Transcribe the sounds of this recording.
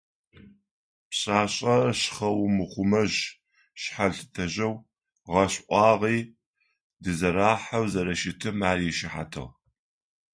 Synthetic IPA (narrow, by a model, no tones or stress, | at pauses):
pɕʼaːɕʼɐɕχɐwmɨχʷʊmɐʑ | ɕħaɮtʰɐʑɐw | ʁɐɕʔʷʼɑːʁiː | dɨzɐɾaːħawzɐɾɐʃɪtʰɨmaːrjɛʃɪħa̰tʰɨ̰ʁ